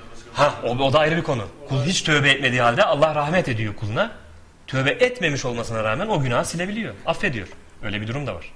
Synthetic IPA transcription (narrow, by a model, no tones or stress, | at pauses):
haoo̞d̪aːjɾɯbikʰo̞nukʰulˠɦit͡ʃt̪ʰø̞ːbɛɛt̪me̞d̪iːɦalʲd̪ɛalˠːahɾahmɛt̪e̞d̪ijo̞kʰulˠuna | t̪ʰø̞ːbɛʔɛt̪me̞miʃo̞lˠmasɯnaɾaːmæno̞ɟynaːsinʲe̞bilʲijo̞afːe̞d̪ijoɾ̥ | ø̞jlʲebid̪uɾumd̪ava̰ɾ̥